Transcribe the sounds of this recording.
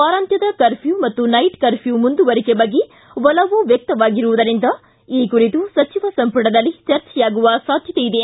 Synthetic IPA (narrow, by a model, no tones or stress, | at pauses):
aːɾaːnt̪ʰjɐd̪ɐkɐɾpʰjuːmɐt̪ːunɐjʈkɐɾpʰjuːmund̪uʋɐɾikebɐɡːe | ʋɐlɐʋuʋjɐk̚t̪ɐʋaːɡiɾuʋud̪ɐɾind̪ɐ | iːkuɾit̪usɐt͡ʃiʋɐsɐmpɐɽɐd̪ɐlːit͡ʃɐɾt͡ʃɛjaːɡuʋɐsaːd̪ʱjɐt̪eid̪e